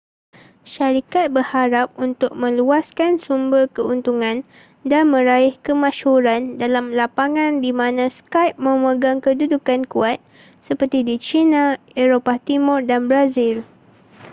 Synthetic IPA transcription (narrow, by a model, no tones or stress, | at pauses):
ʃaɾikat̪̚bərhaɾap̚unt̪ʊk̚mə̃luaskansumbərkəunt̪uŋãn | danmə̃ɾaɪhkəmãʃhuɾandalamlapaŋãndimãnãskajp̚mə̃məɡaŋkədudukankuat̪̚ | səpərt̪idit͡ʃinã | eɾopat̪imʊrdanbɾazil